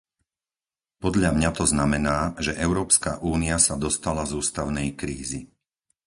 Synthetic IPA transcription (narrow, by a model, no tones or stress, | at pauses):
pɔd̪ʎamɲat̪ɔznamɛnaːʒɛʔɛʊɾɔːpskaʔuːniasad̪ɔst̪alazuːst̪aʊnɛjkɾiːzi